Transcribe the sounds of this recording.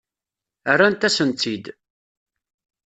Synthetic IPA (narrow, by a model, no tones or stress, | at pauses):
ərːant̪æsənt̪ːid̪